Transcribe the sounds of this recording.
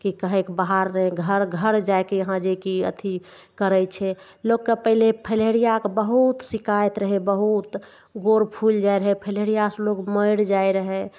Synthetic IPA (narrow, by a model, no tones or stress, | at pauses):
kikəɦekbaɦaɾːəɦɛɡʱəɾɡʱəɾd͡ʒajkeəɦãd͡ʒekiə̰t̪ʰi | kəɾəjt͡ʃʰɛ | loɡkːəpəɦilepʰəleɽijakebəɦut̪sikajt̪ɾəɦɛbəɦut̪ | ɡoɾpʰuld͡ʒajɾəɦɛpʰəleɽijasloɡməɪɽd͡ʒajɾəɦɛ